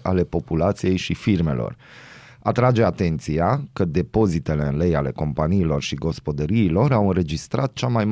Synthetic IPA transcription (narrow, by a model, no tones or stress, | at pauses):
ʔale̞po̞pulat̪sije̞jʃifirme̞̰lʔo̞̰r | at̪ɾad͡ʒe̞at̪e̞nt̪siakəd̪e̞po̞zit̪e̞le̞ɨnle̞jale̞ko̞mpaniːlo̞rʃiɡo̞spo̞d̪əɾiːlo̞ɾawɨnre̞d͡ʒist̪ɾat̪̚t͡ʃamajm